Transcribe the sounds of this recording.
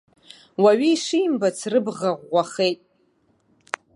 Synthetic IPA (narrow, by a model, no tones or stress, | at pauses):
waɥiːʂijmbat͡sʰrɨbʁaʁʷaχe̞jtʼ